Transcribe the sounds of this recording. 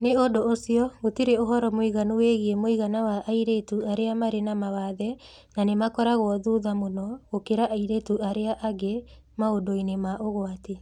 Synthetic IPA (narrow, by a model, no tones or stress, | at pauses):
neodoosiɔɣotiɾeoɦɔɾɔmoiɣanuweɣiemoiɣanawaʔaiɾetuaɾeamaɾenamawaðɛ | nanemakɔɾaɣwɔðuðamonɔɣokeɾaʔaiɾetuaɾeaʔaɡe | maodoinemaʔoɣoate